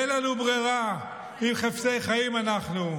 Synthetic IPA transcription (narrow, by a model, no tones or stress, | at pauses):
elanubʁiʁa | imχaft͡sejχajimanaχnu